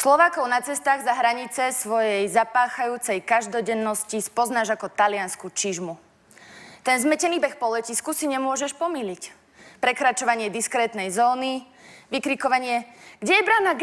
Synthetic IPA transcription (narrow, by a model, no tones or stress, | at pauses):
slɔʋaːkɔʊnat͡sɛst̪aːɣzaɦɾaɲit͡sɛsʋɔjɛjzapaːxajuːt͡sɛjkaʒd̪ɔɟɛnːɔscispɔznaːʒakɔt̪alɪanskut͡ʃiʒmu | t̪ɛnzmɛcɛniːbɛxpɔlɛciskusiɲɛmʊɔʒɛʃpɔmilic | pɾɛkɾat͡ʃɔʋaɲɪɛd̪iskɾɛːt̪nɛjzɔːni | ʋikɾikɔʋaɲɪɛɡɟɛjɛbɾaːnaɡ